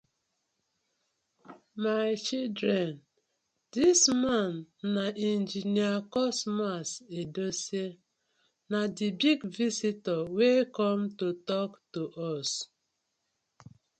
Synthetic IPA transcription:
majt͡ʃildɾɛn | dismanːaʔɛnd͡ʒiniakɔsmasedose | nadibiɡvisitɔwekɔmtotɔktoʔɔs

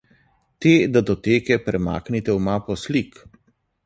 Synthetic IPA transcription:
t̪eːd̪ad̪ɔt̪eːkɛpɾɛma̰ːknit̪ɛwmaːpɔslik

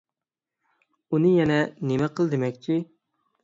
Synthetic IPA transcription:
unɨjɛnɛnemɛqʰəlˠd̪emɛkʲt͡ʃʰi

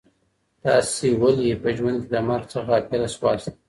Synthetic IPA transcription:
t̪ɑsewaljepəʒwand̪̚ked̪əmaɾxt͡səxat̪eɾaswɑs

